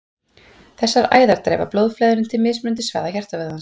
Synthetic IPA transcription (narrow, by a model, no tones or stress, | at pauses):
θɛsːaɾa̰ːjðaɾt̪ɾḛjva̰plowðflɛːðʏɾɪnt̪ʰɪlmɪðsmʏnt̪̬ɪsva̰ːðaçɛr̥t̪avɛːɣðans